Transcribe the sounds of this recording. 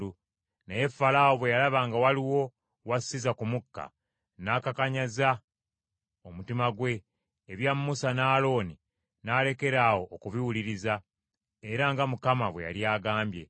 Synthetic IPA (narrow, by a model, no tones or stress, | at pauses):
u | neje̞fːalawoβwe̞jalaβaːŋɡawaliwo̞ | wasizakumukːa̰ | nakakaɲaza | omutimaɡwe̞ː | βjamːusanaːlo̞ːni | naːle̞ke̞ɾaːwo̞ʔːkuβiwuliɾiza | eɾaŋɡamukamaβwe̞ja̰ljaːɡaːmbje̞̰